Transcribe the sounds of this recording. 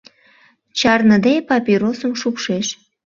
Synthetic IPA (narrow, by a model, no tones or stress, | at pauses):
t͡ɕɑrnəd̪epɑpʲiɾosəmʃupʃeʃ